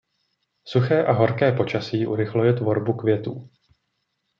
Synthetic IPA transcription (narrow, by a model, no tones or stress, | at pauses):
suxɛːʔaɦo̞ɾkɛːpo̞t͡ʃasiːʔṵɾɪxlujɛt̪vo̞ɾbukvjɛt̪ṵː